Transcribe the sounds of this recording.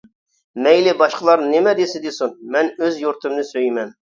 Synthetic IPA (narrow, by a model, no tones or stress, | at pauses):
mɛjlɪbɑʃqəlˠɑɾnɪmɛd̪esɪd̪esunmɛnøzjuɾt̪ɨmnɨsøjmɛn